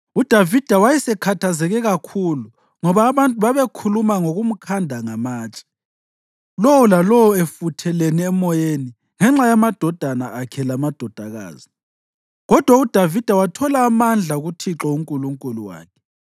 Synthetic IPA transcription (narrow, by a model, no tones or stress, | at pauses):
ud̥ʱavid̥ʱawajɛsɛkʰatʰazɛɣɛɣakʰulu | ŋɔβaːβantʼuβaβekʰulumaŋoɣum̩kʰandʱaŋamaːt͡ʃʼḁ | lowɔlalɔwɔefutʰɛleniɛmɔjeni | ŋɛŋ͡ǁajamad̥ʱɔd̥ʱanaːkʰɛlamad̥ʱɔd̥ʱaɣa̰ːzi | ɣɔd̥ʱwaud̥ʱavid̥ʱawatʰɔlaːmand͡ɮʱauɣutʰiǁɔuŋkʼuluŋkʼuluwa̰ːkʰɛ̥